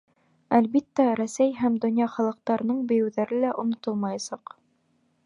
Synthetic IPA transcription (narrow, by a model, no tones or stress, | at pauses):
ælbit̪ːæɾæsæjɦæmd̪ŏnjɑχɑlˠɤ̆q̚t̪ɑɾɤ̆nɤɴbɘ̆jɘ̆wðæɾɘlæʔonŏt̪olˠmɑjɑsɑq